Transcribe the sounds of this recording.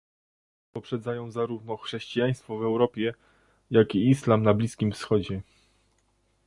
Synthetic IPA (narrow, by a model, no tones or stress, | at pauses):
pɔpʂɛd̪zajɔ̃w̃zaɾuvnɔxʂɛɕt͡ɕijaj̃st̪fɔvɛwɾɔpʲjɛ | jakiislamnablʲiskʲimfsxɔd͡ʑɛ